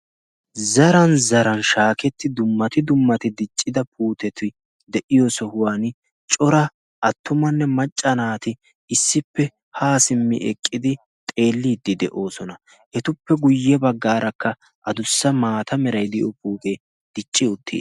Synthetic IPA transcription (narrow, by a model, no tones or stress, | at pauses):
zɐɾɐnzɐɾɐnʃaːkɛt̪ːɪd̪ʊmːɐt̪ɪd̪ʊmːɐt̪ɪd̪ɪt͡ʃʼːɪd̪ɐpʰuːt̪ɛt̪ɪ | d̪ɛʔɪjɔsɔhʊwaːn | t͡ʃʼɔɾɐ | ʔɐt̪ːʊmɐnːɛmɐt͡ʃʼːɐnaːt̪ɪ | ɪsːɪpːɛ | haːsɪmːɪ̰ʔɛkʼːɪd̪ɪ | t̪ʼe̞ːlːiːd̪ːɪd̪ɛʔo̞ːsɔnɐ | ʔɛt̪ʊpːɛɡʊjːɛbɐɡːaːɾʔɐkːɐ | ʔɐd̪ʊsːɐmaːt̪ʰɐmɛɾɐjd̪ɪjɔpuːt̪e | d̪̥ɪt͡ʃʼːɪʊt̪ʰːḭː